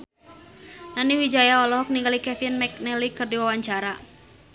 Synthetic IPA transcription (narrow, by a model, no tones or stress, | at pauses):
naniwid͡ʒajaɔlɔɦɔk̚niŋɡalikɛfinmɛk̚nɛlikɨrdiwawaɲt͡ʃaɾa